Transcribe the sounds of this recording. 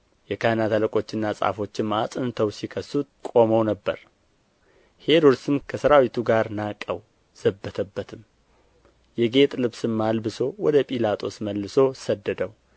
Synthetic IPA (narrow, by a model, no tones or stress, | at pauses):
jɛkʰanat̪ʰaləkʼo̞t͡ʃːɪnːasʼa̰fo̞t͡ʃːɨmasʼɨnt̪ʰəwsikʰəsːut̪̚kʼo̞məwnəbːə̰ɾ | he̞ɾuɾsɨmkʰəsəɾawit̪ʰuɡaɾnakʼːəw | z̥əbːət̪ʰəbːət̪ʰɨm | jɛɡe̞t̪ʼlɨβsɨmːalbɨso̞wɔd̪əpʼilat̪ʰo̞sməlːɨso̞səd̪ːəd̪əw